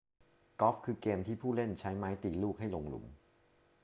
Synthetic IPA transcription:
kɔː˦˥fkʰɯː˧keː˧mt̪ʰiː˥˩pʰuː˥˩le˥˩nt͡ɕʰa˦˥jmaː˦˥jt̪iː˨˩luː˥˩k̚ɦa˥˩jlo˧ŋlṵ˩˦m

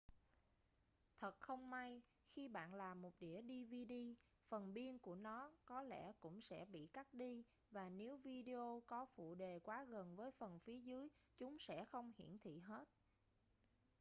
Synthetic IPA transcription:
t̪ʰə˨˩t̚xə˧wŋ͡mma˧j | xi˧ɓa̰ː˧˨nlaː˨˩mːo˨˩t̚ɗi˧˩əɗi˧vi˧ɗi˧ | fə˨˩nɓi˧ənku˧˩ənɔ˨˦kɔ˨˦lɛ̰˧˩kʊ̰˧˥ŋ͡msɛ̰˧˥ɓḭ˧˨ka˦˥t̚ɗi˧ | vaː˨˩ne˨˦wvi˧ɗe˧ʔo˧kɔ˨˦fṵ˧˨ɗe˨˩kwaː˨˦ɣə˨˩nvəː˨˦jfə˨˩nfi˨˦əzɨ˨˦əjt͡ɕʊ˨˦ŋ͡msɛ̰˧˥xə˧wŋ͡mhḭ˧˩˨ənt̪ʰḭ˧˨ɦe˦˥t̚

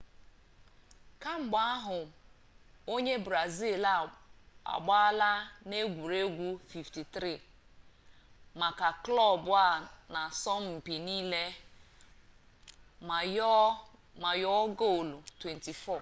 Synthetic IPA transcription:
ka˦ŋ͡m̩˨ɡ͡ba˦a˦ɦʊ˨ | o˦ɲe˦bɾa˨zi˦˨la˨a̰˨ɡ͡ba˦la˦ne˦ɡʷu˨ɾe˦ɡʷu˦fi˨fti˨t̪ɾi˦˨ | ma˨ka˨klɔ˦˨bʊ˦a˦˨na˨sɔ˦m̩˦m̩˨pi˨niː˦le˦˨ | ma˨jɔ˦ɡo˦˨lu˨twe˨nti˨fɔ˦˨

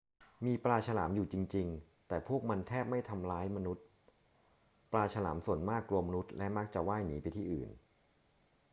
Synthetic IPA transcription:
miː˧pɾaː˧t͡ɕʰa˧la̰ː˩˦mjuː˨˩t͡ɕi˧ŋt͡ɕi˧ŋ | t̪ɛː˨˩pʰu˥˩ək̚ma˧nt̪ʰɛː˥˩p̚ma˥˩jt̪ʰa˧mlaː˦˥jma˧nu˦˥t̪̚ | plaː˧t͡ɕʰa˧la̰ː˩˦msu˨˩ənmaː˥˩kːlu˧ɐma˧nu˦˥t̪̚lɛ˦˥ma˦˥k̚t͡ɕa˨˩waː˥˩jniː˩˦pa˧jt̪ʰiː˥˩ʔɯ̰ː˨˩n

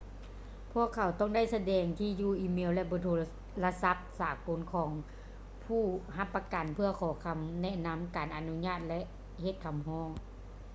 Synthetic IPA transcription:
pʰu˧˥əkʰːa˨˩wt̪ɔ˥˩˨ŋda˥˩˨jsa˧dɛː˨˩ŋt̪ʰiː˧˨juː˧˩ʔiː˧˩meː˧˥˨wlɛ˧bɔː˧˦t̪ʰoː˧ | la˧sa˧˦p̚saː˨˩˦ko˨˦nkʰɔː˩˦ŋ | pʰuː˧˩ɦa˧˦pːa˧ka˨˩npʰɯ˧ɐkʰɔː˨˩˦kʰa˧˦mnɛ˧˥na˧˥mkaː˨˩nʔa˨nu˧˥ɲaː˧˥˨t̪̚lɛ˧ʔ | he˧˦t̪̚kʰa˨˦mɦɔː˧˥˩ŋ

